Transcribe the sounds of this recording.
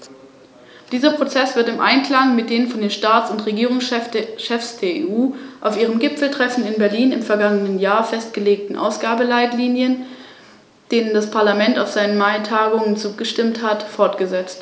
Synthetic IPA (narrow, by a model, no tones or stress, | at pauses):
d̥iːzɐpʁ̥ot͡sɛsv̥ɪɐtɪmʔa̰ɪnkl̥aŋmɪt̚d̥eːnfɔndeːnʃtaːtt͡sʊntʁeɡiːʁ̞ʊŋsɛʃɛfsd̥eːɐḛʔuːʔaʊfʔiːʁ̞əmɡɪpfl̩tʁ̥ɛfn̩ɪnbɛɐliːnɪmfɛɐɡaŋənənjaːɐfɛstɡ̥əleːk̚tn̩ʔa̰ʊsɡ̥aːbəlaɪtliːnjən | d̥eːnəndaspʰaɐlamɛntaʊfz̥aɪnənmaɪtʰaːɡʊŋənt͡suːɡəʃtɪmthatfɔɐtɡ̥əzɛt͡st